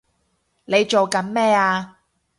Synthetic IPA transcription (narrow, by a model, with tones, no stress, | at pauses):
ne˨˧jt͡ʃo˨wkɐ˨˥nmɛː˥aː˧